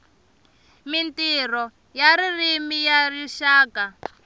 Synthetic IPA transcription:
mintirɔ | jaɾirimijariʃaːka

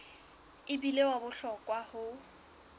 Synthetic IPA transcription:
ɪbilewabʊɬɔkʼwahʊ

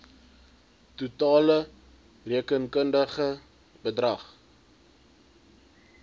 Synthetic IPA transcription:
tutɑːlə | riəkənkəndəχə | bədrɐχ

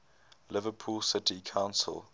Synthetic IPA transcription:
lɪvəpʰuːlˠsɪtʰikʰãʊ̃nsə̰lˠ

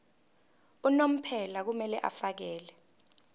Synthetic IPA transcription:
unom̩pʰɛlak̬umɛlɛʔa̰fak̬ɛːlɛ

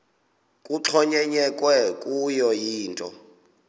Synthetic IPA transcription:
kʼuǁʰɔɲɛɲɛkʼwɛkʼujɔjiːntʼɔ̰

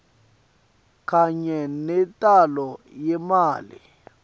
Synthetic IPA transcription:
kʼaɲɛnɛtʼalɔjɛmaːlḭ

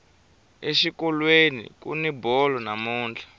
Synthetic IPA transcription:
eʃikɔlwenḭkṵnibɔlɔnamuːnd͡ɮḁ

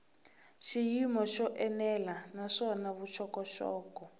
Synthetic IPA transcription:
ʃijimɔʃɔʔɛnɛlanaʃɔnaβut͡ʃʰɔkɔʃɔ̰ːkɔ

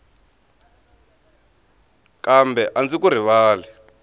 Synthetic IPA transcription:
kambʱɛʔand͡zikuɾ̤iβaːlɛ

